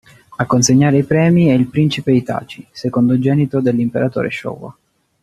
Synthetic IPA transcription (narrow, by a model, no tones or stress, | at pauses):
akːonseɲːaːɾeipɾɛːmiɛilpɾint͡ʃipeit̪a̰ːt͡ʃisekond̪od͡ʒɛːnit̪od̪elːimpeɾat̪o̰ːɾḛʃɔ̰ːwa̰